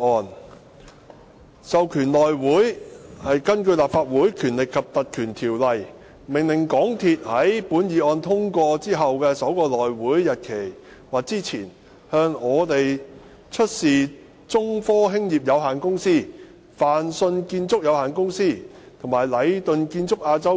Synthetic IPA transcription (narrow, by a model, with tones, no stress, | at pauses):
ɔː˨˧n | sɐ˨wkʰyː˨˩nlɔː˨˩jwuː˨˥jhɐ˨jkɐ˥nkɵ˧ɥlaː˨pfaː˧t̚wuː˨˥jkʰyː˨˩nlɪ˨kʰːɐ˨p̚t̪ɐ˨t̚kʰyː˨˩nt̪ʰiː˨˩wlɐ˨j | mɪ˨˩ŋlɪ˨˩ŋkɔː˨˥ŋt̪ʰi˨t̚hɐ˨˥jpuː˨˥njiː˨˧ɔː˨˧nt̪ʰʊ˥ŋkʷɔː˧t͡siː˥ɦɐ˨wkɛː˧sɐ˨˥wkɔː˧lɔː˨jwuː˨˥jːɐ˨t̚kʰe˨˩j | waː˨k̚t͡siː˥t͡sʰiː˨˩n | hœː˧ŋɔː˨˧t̪e˨j | t͡ʃʰɵ˥t̚siː˨ | t͡sʊ˥ŋfɔː˥ɦɪ˥ŋjiː˨p̚jɐ˨˧wɦaː˨˩nkʊ˥ŋsiː˥˩ | faː˨nsɵ˧nkiː˧nt͡sʊ˥k̚jɐ˨˧whaː˨˩nkʊ˥ŋsiː˥t̪ʰʊ˨˩ŋmaː˨˩jlɐ˨˧jt̪ɵ˨˧nkiː˧nt͡sʊ˥k̚ʔaː˧t͡sɐ˥w